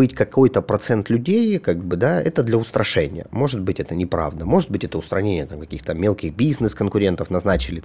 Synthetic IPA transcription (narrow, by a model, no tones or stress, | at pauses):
ɨtʲkɐko̞jt̪əpɾɐt̪sɛnt̪lʲʉdʲejkaɡ̚bɨd̪aɛt̪əd̪lʲɐʊst̪ɾʔɐʂɛnʲɪjə̰mo̞ʐɨt̪̚bɨtʲɛt̪ənʲɪpɾa̰vd̪əmo̞ʐɨt̪̚bɨtʲɛt̪əʊst̪ɾɐnʲenʲɪjət̪amkɐkʲixt̪əmʲelˠkʲɪɣbʲiznɨskənkʊɾʲe̞nt̪əfnɐznat͡ɕɪlʲɪ